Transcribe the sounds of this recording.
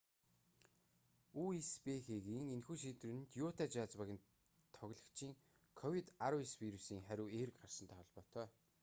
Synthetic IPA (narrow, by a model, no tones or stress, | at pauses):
uespexeɣiːŋenxuːʃiːt̪ruːnɘ̆nt̪juːt̪ʰat͡ɕaːt͡spæɣʲɪ̆n | t̪ʰɔɣʲɮə̆kt͡ɕʰiːŋ | kʰɔwit̪aɾʊeswiɾusiːŋχæɾʲʊːeːɾɘ̆kɢar̥ʃə̆nt̪ʰæːχɔɮpɔːt̪ʰœː